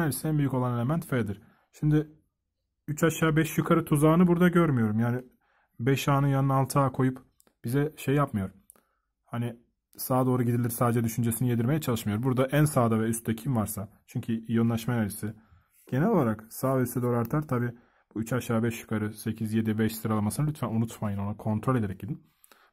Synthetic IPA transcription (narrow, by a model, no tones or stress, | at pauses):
alisiænbyjyko̞lˠane̞lʲe̞mænt̪fed̪iɾ̥ | ʃimd̪ɪ | yt͡ʃʰaʃaːbɛʃjukʰaɾɯt̪ʰuzaːnɯbuɾd̪aɟøɾmyjo̞ɾumjaːnɪ | bɛʃaːnɯnjanɯnalˠt̪ʰaːkʰo̞jup | b̥izɛʃejːapmɯjo̞ɾ | hani | saːd̪o̞ːɾuɟid̪ilʲiɾsaːd̪ed͡ʒɛd̪yʃynd͡ʒe̞sinije̞d̪iɾme̞jɛt͡ʃʰalˠɯʃmɯjo̞ɾbuɾd̪aʔænsaːd̪avɛyst̪ɛcʰimvaɾsat͡ʃʰyɲcʰyjonˠaʃmajad͡ʒisɪ | ɟ̥e̞nɛlʲo̞lˠaɾaksaːsɛd̪oːɾaɾt̪ʰaɾt̪ʰabiː | b̥uyt͡ʃʰaʃaːbɛʃjy̥kʰaɾɯse̞cʰizje̞d̪ibɛʃsɯɾalˠamasɯnalʲyt̪ʰfænunut̪ʰmajɯno̞nakʰo̞nt̪ɾolʲed̪eɾɛc̚ɟid̪in